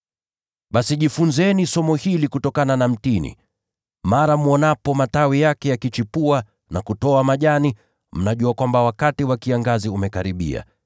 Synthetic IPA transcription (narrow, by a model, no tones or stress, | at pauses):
ɓasiʄifunzɛnisɔmɔhilikutɔkananam̩tinḭ | maɾamuɔnapɔmatawijakɛjakit͡ʃipua | nakutɔamaʄani | m̩naʄuakwambawakatiwakiaŋɡaziumɛkaɾiɓḭa̰